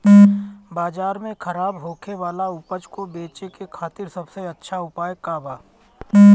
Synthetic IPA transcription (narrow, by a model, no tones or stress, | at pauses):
baːd͡ʒaːɾmẽkʰɐɾaːbɦoːkʰeʋaːlaʊpəd͡ʒkobeːt͡ʃekekʰaːt̪ɪɾsɐbseɐtːʃʰaʊpaːjkaːbaː